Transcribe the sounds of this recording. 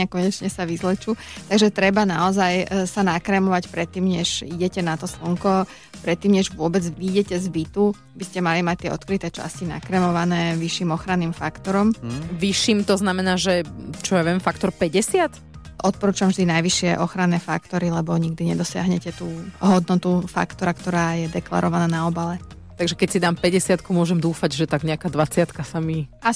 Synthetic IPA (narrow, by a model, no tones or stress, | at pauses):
akɔɲɛt͡ʃɲɛsaʋizlɛt͡ʃuːt̪aɡʒɛt̪ɾɛbanaɔzajsanakɾɛmɔʋacpɾɛt̪ːiːmɲɛʒiɟɛcɛnat̪ɔslɔŋkɔ | pɾɛt̪ːiːmɲɛʒʋʊɔbɛd͡zʋiɟɛcɛzbit̪u | biscɛmalimac̚t̪ːɪɛɔ̰t̪̚kɾit̪ɛt͡ʃa̰scina̰kɾɛmɔʋanɛːʋiʃːimɔxɾanːiːmfakt̪ɔɾɔmʋiʃiːmt̪ɔznamɛnaːʒɛt͡ʃɔjaʋɛmfakt̪ɔɾpɛɟɛsɪat̪ | ʔɔt̪̚pɔɾuːt͡ʃʊamvʒd̪inajʋiʃɪɛʔɔxɾanɛːfa̰kt̪ɔɾilɛbɔɲiɡ̚d̪iɲɛd̪ɔsɪa̰ɦɲɛcɛt̪uːɦɔd̪nɔt̪ufa̰kt̪ɔɾakt̪ɔɾaːjɛd̪ɛkla̰ɾɔʋanaːnaɔbalɛ | t̪aɡʒɛkɛcsid̪aːmpɛɟɛsɪat̪kumʊɔʒɛmd̪uːfaɟʒɛt̪aɡɲɛakaːd̪ʋat͡sɪat̪kasamia